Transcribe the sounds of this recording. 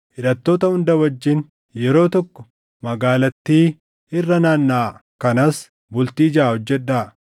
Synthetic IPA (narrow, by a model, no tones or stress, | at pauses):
ʔɪᶑɐt̪ːo̞ːt̪ɐhʊnd̪ɐwɐd͡ʒːɪn | jɛɾo̞ːt̪ɔkːɔ̥ | mɐɡaːlɐt̪ːiː | ɪrːɐnaːnːaːkɐnɐs | bʊlt̪iːd͡ʒɐːhɔd͡ʒːɛᶑːaː